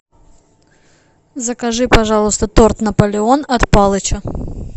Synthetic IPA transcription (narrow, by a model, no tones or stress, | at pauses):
zəkɐʐɨpɐʐɑlˠʊst̪ət̪ort̪nɐpəlʲɪonɐt̪pɑlˠət͡ɕə